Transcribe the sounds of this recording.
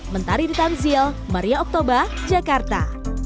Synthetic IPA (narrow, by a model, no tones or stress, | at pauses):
mənt̪aɾidit̪anzil | maɾiaɔk̚t̪obard͡ʒakart̪a̰